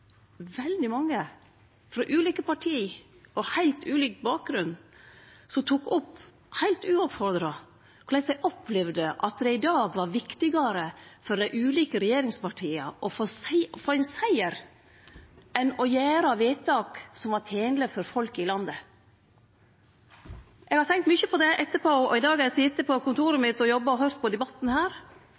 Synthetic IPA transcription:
ʋɛld̪ɪmɑŋːə | fɾɔʔʉːliːkəpɑʈʰiː | ʔɔhæɪlt̪ʰʉːliːkbɑːk̚ɡɾʉn | sɔt̪ʰuːkɔpː | hæɪlt̪ʉːɔpfɔɾd̪ɾɑ | kʰʊlɛɪsæɪʔɔpʰlɛʋd̪əʔɑt̪̚d̪ɛɪd̪ɑːɡʋɑɾʋɪkt̪ɪɡɑɾəfɔɾd̪æɪʔʉːliːkəɾɛjeːɾɪŋspɑʈʰiːəʔɔfosfoːɛnsæɪəɾ | ʔɛnɔjæːɾɑʋeːt̪ʰɑːksɔmʋɑt̪ʰeːŋləfɔɾfɔlkɪlɑnd̪ə | ʔɛɡhɑɾt̪ʰɛŋkt̪mʏçəpʰɔd̪ɛʔɛt̪ːəpoɔɪd̪ɑːɡɛɾɛsɪt̪ːəpʰɔkʊnt̪ʰuːɾəmɪt̪ːɔjɔbːɑɔɦœɾt̪̚pʰɔd̪ɛbɑt̪ːn̩hæːɾ

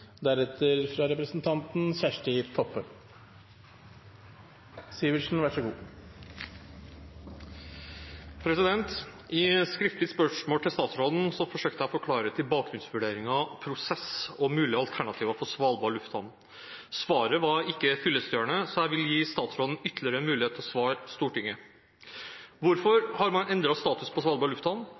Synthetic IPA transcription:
d̪æɾɛt̪əɾfɾɑɾɛpɾəsn̩t̪ʰɑnt̪n̩sæːʂʈəɪt̪ʰɔpːə | siʋəʂn̩ʋæʂəɡṵː | pʰɾɛsɪd̪ɛnt̪ɪskɾɪft̪lɪəspœʂmoːlt̪ʰɪlst̪ɑːt̪sɾɔd̪n̩sɔfɔʂøːk̚t̪əæɔfɔɾkʰlɑːɾət̪ʰɪlbɑːk̚ɡɾʉnsʋʉɖeːɾɪŋɑpʰɾʊsɛsɔmʉːlɪɑlt̪ʰæɳɑt̪ʰiːʋəfɔsʋɑːlbɑːɾɭʉft̪hɑ̰n | sʋɑːɾəʋɑɾɪkːəfʏlːəsd̪jøːɳəsɔæɪʋɪlːjiːst̪ɑːt̪sɾɔd̪n̩ʏt̪lɪəɾəmʉːlɪeːt̪ʰlɔsʋɑːɾst̪uːʈɪŋːə | ʋʊɾfɔɾhɑɾmɑnʔɛnd̪ɾɑst̪ɑːt̪ʉspʰɔsʋɑːlbɑːɾɭʉft̪hɑn

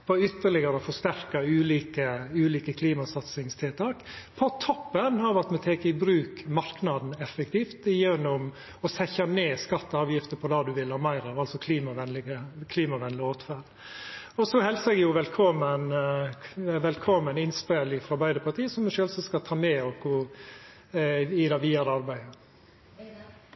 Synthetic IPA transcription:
pʰɔʏt̪ːəɭɪɡəɾəɔfɔʂt̪æɾkɑʉːliːkəʉːliːkəkʰliːmɑsɑt̪sɪŋst̪ʰɪlt̪ʰɑːkpʰɔt̪ʰɔpːənhɑɾʋæt̪mɛt̪ʰeːkəɪbɾʉːkmɑɾknɑd̪n̩ɛfɛk̚t̪ʰiːft̪jɛnːʊm | ɔsɛçɑneːskɑt̪ːɑːʋjɪft̪əpʰɔd̪ɑːd̪ʉʋɪlhɑːɾmæɪɾɑʋɑlsɔkʰliːmɑʋɛnlɪɡəkʰliːmɑʋɛnlɪoːt̪fæɖ | ɔsɔhɛlsəɛɡjʊʋɛlkʰɔmːən | ʋɛlkʰɔmːənɪnspelɪfɾɑbæɪd̪əpʰɑʈ̪ʰiːsɔmɛʃøːlsɔskɑt̪ʰɑːmɛːɔkʰʊ | ɪd̪ɑʋiːɑɾəɑɾbæɪə

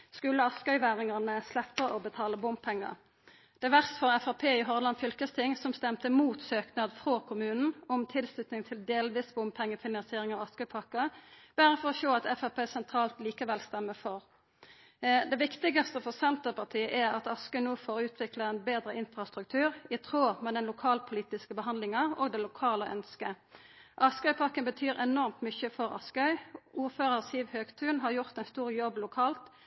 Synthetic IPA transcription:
skʉlːəɑskœʏʋæːʁɪŋɑʁnəslɛpːəʔɔbət̪ʰɑːləbʊmpʰɛŋːə̰ | d̪̥ɛʋæʁst̪fɔʁɛfɑpʰeːɪɦɔʁlɑnfʏlkəst̪ʰɪŋsɔmst̪ɛmt̪əmuːt̪søːknɑd̪fʁokʰʊmʉːnn̩ɔmt̪ʰɪlslʉt̪nɪŋt̪ʰɪld̪eːlʋiːsbʊmpʰɛŋːəfɪnɑnsɪeːʁɪŋɑʋɑskœʏpʰɑkəb̥æːʁəfɔʁɔʃoːɑt̪ɛfɑpeːsɛnt̪ʰʁɑːlt̪liːkəʋɛlst̪ɛmːəfɔʁ | d̪ɛʋɪkt̪ɪɡɑst̪əfɔʁsɛnt̪əʁpɑʁt̪ʰiːəʔæʁɑt̪ɑskœʏnoːfoʁʉːt̪ʰʋɪkləʁɛnbeːd̪ʁəʔɪnfʁɑst̪ʁʉk̚t̪ʰʉːʁɪt̪ʰʁoːmɛd̪ɛnlʊkʰɑːlpʰʊliːt̪ɪskəbəɦɑnd̪lɪŋɑo̰ːɡd̪ɛlʊkʰɑːləʔœnskə | ʔɑskœʏpʰɑkːənbət̪ʰyːɾɛnɔʁmt̪mʏçəfɔʁɑ̰skœʏʔuːʁføːʁəʁsiːʋhøːɡt̪ʰʉːnɦɑʁjʊʁt̪ɛɪnst̪uːʁjɔbːlʊkʰɑːlt̪

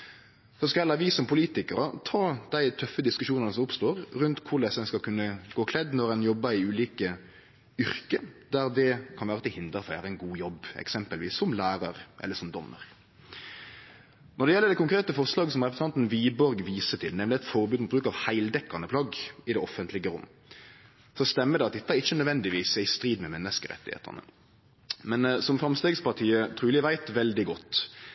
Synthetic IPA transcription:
sɔskɑjɛlɑʋisɔmpʰʊliːt̪ɪkəɾət̪ʰɑːd̪̥æɪt̪ʰœfːəd̪ɪskʉʂuːnɑnəsɔmʊpst̪oːɾɾʉnt̪kʰʊɾɭɛsɛnskɑlkʰʉnːəɡ̥oːkʰlɛd̪nɔɾɛnjɔbːəɾɪʉːliːkə | ʏɾkəd̪̥æɾd̪ɛkʰɑnʋæːʁət̪ɪhɪnd̪əɾfæ̰ɾæɪnɡuːjɔbɛ̰ksɛmpəlʋḭːsːɔmlæːɾɑɾʔɛ̰lːəʂɔmd̪ɔ̰mːə̰ɾ | nɔɖ̪ɛjɛlːəd̪ɛkʊŋkʁeːt̪əfɔʁslɑːɡəsɔmʁɛpɾəsənɑnt̪n̩ʋiːbɔɾɡʋiːsət̪ʰɪlnɛmlɪɛt̪fɔɾbʉːd̪mʊt̪bɾʉːkɑʋhæɪld̪ɛkːɑnəpʰlɑɡɪd̪ɛɔfənt̪lɪɡəɾʊ̰mːə | sɔst̪ɛmːəd̪ɛɑt̪̚d̪ɛt̪ːəæɾɪçːənœd̪ʋɛnd̪ɪʋiːsæɪst̪ɾiːd̪mɛmɛnːəskəɾɛ̰t̪ːɪhḛːt̪ʰɑ̰nə̰ | mɛnsɔmfɾɑmst̪eːɡspɑʁt̪ʰiːət̪ʰɾʉːlɪʋæɪt̪ʋɛld̪ɪɡɔt̪ː

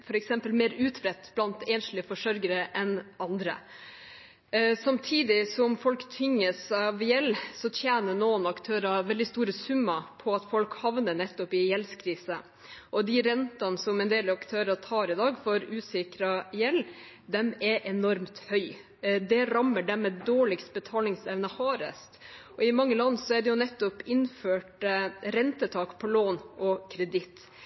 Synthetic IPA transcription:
fɔɾɛksɛmpəlmeːɾʉːt̪bɾɛt̪ːb̥lɑnt̪eːnʂɭ̩ɪfɔʂœɾɡəɾəʔɛnʔɑnd̪ɾə̰ | sɑmt̪ʰiːd̪ɪsɔmfɔlkt̪ʰʏŋːəsɑʋjɛlːsɔt̪ʰjeːnənɔːənɑkt̪ʰøːɾɑʋɛld̪ɪst̪uːɾəsʉmːɑpʰɔɑt̪fɔlkhɑʋnəɳɛt̪ːɔpɪjɛlskʰɾiːsə | ʔɔd̪ɪɾɛnt̪ɑnsɔmɛnd̪eːlɑɑkt̪ʰøːɾɑt̪ʰɑːɾɪd̪ɑːɡfɔɾʉːsɪkɾɑjɛlː | d̪ɛmɛʔɛnɔɾmt̪hœʏ | d̪ɛɾɑmːəɖɛmːɛd̪oːɭɪksbət̪ʰɑːlɪŋsɛʋnəhɑːɾə̰st̪ʔɔɪmɑŋːəlɑnːsɔæɖɛjʊnɛt̪ːɔpɪnføːʈɾɛnt̪ət̪ʰɑːkpʰɔloːnʔɔkʰɾɛd̪ɪt̪

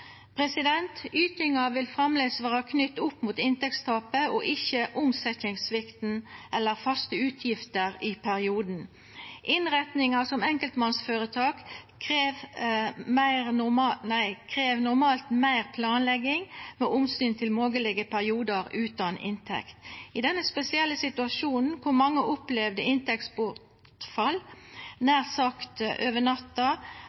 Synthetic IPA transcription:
pʰʁɛsɪd̪ɛnt̪yːt̪ɪŋɑʋɪlfʁɑmleːsʋæːɾɑkʰnʏt̪ːʊpːmuːt̪ɪnt̪ɛk̚t̪st̪ʰɑːpəɔʔɪçəʔʊmsɛçɪŋsʋɪkt̪n̩ʔɛlːəɾfɑst̪əʉːt̪ʰjɪft̪əʁɪpʰæɾɪuːd̪n̩ | ʔɪnʁɛt̪nɪŋɑsɔmɛŋkəlt̪mɑnsføːɾət̪ʰɑːk | kʰʁeːʋ | mæɪʁʊmɑnæɪkʰʁeːʋnʊɾmɑːlt̪mæɪʁpʰlɑːnlɛɡːɪŋmeːʔʊmsyːnt̪ʰɪlmoːɡəlɛɡəpʰæɾɪuːd̪əɾʉːt̪ɑnɪ̰nt̪ʰɛ̰kt̪ɪd̪ɛnːəspɛsɪɛlːəsɪt̪ʉɑʂuːnn̩kʰʊɾmɑŋːəʔɔplɛʋd̪əɪnt̪ɛk̚t̪spʊt | fɑlnæːʁsɑkt̪ʔøːʋəɳɑt̪ːɑ

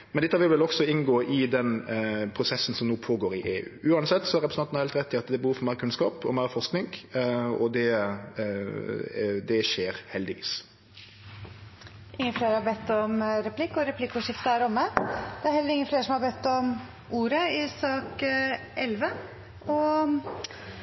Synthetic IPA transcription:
mɛnd̪ɛt̪ːəæʋɪlʋɪlɔɡsɔɪnɡoːʔɪd̪ɛnpʰɾʊsɛsːn̩sɔmnoːpʰoːɡoːɾɪʔeːʉ̰ːʉːɑnsɛt̪ːsɔæɾɛpɾəsɑnnɑɾhɛlt̪ɾɛt̪ːɪɑt̪d̪ɛbəhuːʋfɔɾmæɪɾəkʰʉnskɑːpɔ̰mæɪɾfɔʁʂknɪŋ | ɔd̪ɛ | d̪ɛʃeːɾhɛld̪ɪʋḭːs | ʔɪŋːəfleːɾhɑɾbɛt̪ːɔmɾɛpʰlɪkːɔɾɛpʰlɪkːuːʂɪft̪əæɾɔmːəd̪̥ɛæɾhɛlːəɾɪŋːəfleːɾʂɔmhɑɾbɛt̪ːɔm | uːɾəɪsɑːk | ʔɛlʋə | ʔɔ

